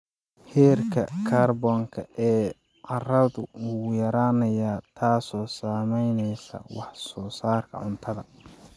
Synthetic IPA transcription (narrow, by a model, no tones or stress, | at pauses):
hɛːrkʰɐkʰaːrbɔŋkʰɐʔɛː | ʕɑrɐðʊujɐɾaːnɐjaːt̪ʰaːsɔːsaːmɛjnɛjsɐ̰wɑħsɔːsaːrkʰɐ̰ʕʊnt̪ʰɐðɐ